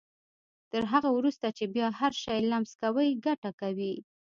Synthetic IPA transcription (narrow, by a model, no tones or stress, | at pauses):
t̪əɾɦaɣawɾust̪at͡ʃebjɑhaɾʃɑjlamskawəjɡaʈakawi